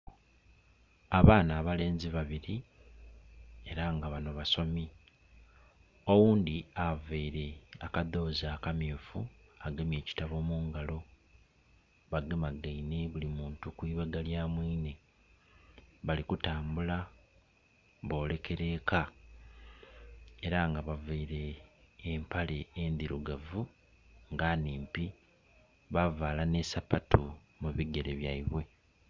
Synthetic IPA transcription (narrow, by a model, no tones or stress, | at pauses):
aβaːnaːβale̞ːnziβaβiɾi | e̞ɾaŋɡaβano̞βaso̞mi | o̞wuːnd̪iaveiɾe̞akad̪o̞ːzakamjuːfuaɡemje̞ːci̥taβomuːŋɡalo̞ | βaɡe̞maɡeine̞βulimuːntukwiːβaɡaljaːmwiːne̞ | βalikutaːmbula | βo̞ːle̞kʰe̞ɾe̞ːka | e̞ɾaŋɡaβavaiɾe̞ː | mpale̞ːnd̪iɾuɡavu | ŋɡaːniːmpi | βavaːlane̞sapatʰu | muβiɡe̞ɾeβjaiβwe̞